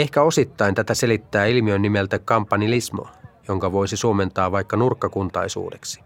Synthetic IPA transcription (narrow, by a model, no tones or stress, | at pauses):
e̞hkæo̞sit̪ːɑint̪æt̪æse̞lit̪ːæːilmiønːimelt̪ækkɑmpːɑnilismo̰jo̞ŋkɑʋo̞jsisuome̞nt̪ɑːʋɑjkːɑnurkːɑkunt̪ɑjsṵːde̞̰ksi̥